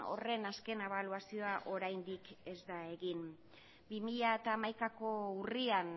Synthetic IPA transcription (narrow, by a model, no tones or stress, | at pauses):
o̞̰re̞naske̞ne̞β̞aluasio̞aʔo̞ɾajnd̪ike̞zd̪ae̞ɣin | bimiʎaet̪aːmajkako̞urian